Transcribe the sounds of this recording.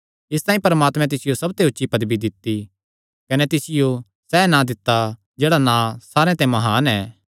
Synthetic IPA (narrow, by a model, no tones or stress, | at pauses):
ɪst̪ãːĩpɐɾəmaːt̪mɛ̃t̪̬ɪsɪjosɐbt̪eɦʊtːʃipɐd̪bid̪ɪt̪ːi | kɐnɛt̪ɪsɪjo | sɛːnãd̪ɪt̪ːa | d͡ʒeːɽanãsaːɾẽt̪ɛ̃mɐɦaːnɛː